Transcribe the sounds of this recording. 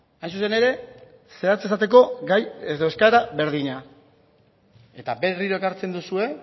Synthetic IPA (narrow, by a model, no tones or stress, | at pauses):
ajns̬usene̞ɾe̞ | seɾat͡ses̬at̪e̞ko̞ɡajeðoe̞skaɾaβe̞ɾðiɲa | e̞t̪abe̞riɾoekaɾt͡se̞nd̪usue̞